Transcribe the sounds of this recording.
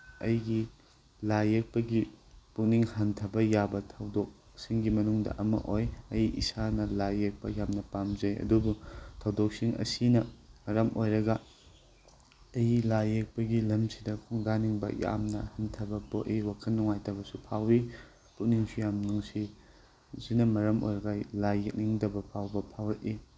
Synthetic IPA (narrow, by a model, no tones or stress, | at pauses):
ɐjɡi | lajek̚pɐɡiput̚niŋhɐntʰɐbɐjabɐtʰɐwdok̚ | siŋɡimɐnuŋdɐ̰ʔɐmɐ̰ʔojɐjḭsanɐlajek̚pɐ̰jamnɐpamzɐjɐ̰dubutʰɐwdok̚siŋɐ̰sinɐɐɾɐmʔojɾɐɡɐ | ɐjlajek̚pɐɡilɐmsidɐkʰɔŋdaniŋbɐ̰ja̰mnɐhɐntʰɐbɐpoʔijwakʰɐlnːuŋajtɐbɐsupʰawi | putniŋsujamnuŋsi | sinɐmɐɾɐmo̰jɾɐɡɐlajek̚niŋdɐbɐpʰawbɐpʰawɾɐt̚i